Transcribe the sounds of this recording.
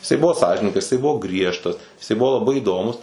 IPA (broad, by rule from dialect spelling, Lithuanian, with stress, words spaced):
jɪˈsɐɪ ˈbʊʋoː ˈsɑːʒʲɪnʲɪŋɡɐs jɪˈsɐɪ ˈbʊʋoː ˈɡrʲiɛʃtɐs jɪˈsɐɪ ˈbʊʋoː lˠɐˈbɐɪ iːˈdoːmʊs